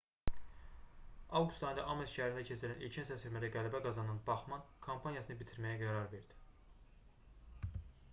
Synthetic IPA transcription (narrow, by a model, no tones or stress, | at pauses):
ɑvɡust̪ɑjnd̪ɑ̰ʔɑmelʃæhæɾind̪æcʰe̞t͡ʃʰiɾænʔilcʰinsæsfeɾmæɾæɡælæbæɡɑzɑnɯnbɑχmɑnkʰompʰɑnjɑsɯnɯbit̪ʰiɾmæjæɡæɾɑɾve̞ɾd̪i̥